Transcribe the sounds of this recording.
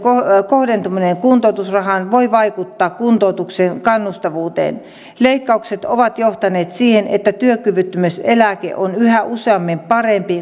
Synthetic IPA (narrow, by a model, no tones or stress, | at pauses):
kokohdent̪umineŋkunt̪oˑut̪usrɑhɑnʋoiʋɑikut̪ːɑːkkunt̪out̪uksenkɑnːust̪ɑʋuːt̪ḛːn | leikːɑukset̪oʋɑt̪joht̪ɑneːt̪siːhenḛt̪ːæt̪yøkːyʋyt̪ːymyselækḛʔonyhæʔuseɑmːimpɑrempi